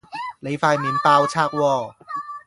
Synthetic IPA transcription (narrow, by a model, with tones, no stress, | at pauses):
le˨˦faː˧˩jmi˨˦npaː˧wt͡ɕʰaː˥˩k̚wɔː˧˩